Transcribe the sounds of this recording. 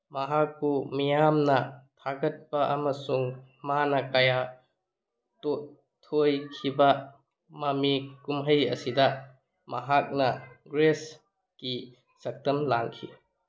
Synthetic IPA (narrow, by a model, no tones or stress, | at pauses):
mɐɦakːumijamnɐtʰaɡɐt̚pɐʔɐmɐsuŋmanɐkɐja | to | tʰːojkʰibɐ | mɐmikumɦɐjɐ̰sidɐ | mɐɦak̚nɐɡɾes | ki | sɐk̚tɐmlaŋkʰi